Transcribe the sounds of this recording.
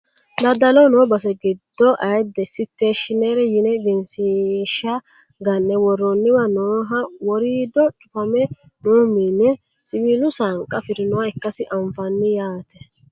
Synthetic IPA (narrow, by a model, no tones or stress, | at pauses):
d̪ɐd̪ɐlɔnoːbɐsɛɡɪd̪ːɔʔɐjd̪ɛsɪt̪ːeːʃɪnɛɾɛjɪnɛvɪnsɪʃɐ | ɡɐnːɛwɔrːɔnːɪwɐnoːɦɐwɔɾiːd̪ɔt͡ʃʼʊpɐmɛ | noːminːɛ | sɪβiːlʊsaŋkʼːɐfɪɾɪnɔwaɛkːɐsɪʔɐɱfɐnːɪjaːt̪ɛ̥